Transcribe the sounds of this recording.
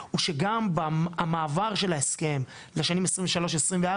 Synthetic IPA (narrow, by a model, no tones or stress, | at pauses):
uʃeɡambaamaːvaʁʃe̞laeske̞m | leʃanimesʁiɱveʃalo̞ʃesʁimvea